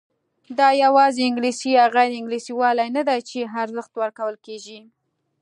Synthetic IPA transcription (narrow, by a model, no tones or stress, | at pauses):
d̪ɑjawɑzeɪŋɡlisiaɣajdɪŋɡlisiwɑlajnad̪ajt͡ʃeɦaɾzəxt̪wəɾkawəlkeʒi